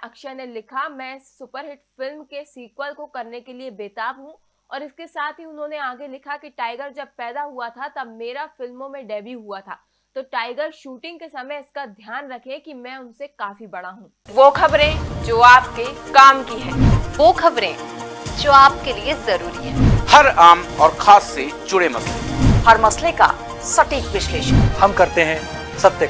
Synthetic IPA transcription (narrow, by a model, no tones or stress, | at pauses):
ɐkʃənelɪkʰamɛ̃ːɪsːʊpəɾɦɪʈfɪlmkesiːkwəlkokɐɾnekeliebeːt̪aːbɦũ | ɔːɾɪskesaːt̪ʰɦiʊnɦõːneaːɡelɪkʰakiʈaːɪɡəɾd͡ʒɐb̚pɛːd̪aɦuat̪ʰat̪ɐbmeːɾafɪlmõmẽɖɛːbiɦuat̪ʰa̰ː | t̪oːʈaːɪɡəɾʃuːʈɪ̃ŋɡkesɐməɪskad̪ʱjaːnɾɐkʰẽkimɛ̃ːʊnsekaːfibɐɽ̃aɦũː | ʋoːkʰɐbɾẽd͡ʒoːaːp̚kekaːmkiɦɛ̃ːʋoːxʰɐbɾẽd͡ʒoːaːpkeliezɐɾuːɾiɦɛ̃ːhɐɾaːmɔːɾxʰaːsːed͡ʒʊɽemɐslehɐɾmɐsleka̰ | sɐʈiːkʋɪʃleːʃəhɐmkɐɾt̪eɦɛ̃ | sɐbt̪ə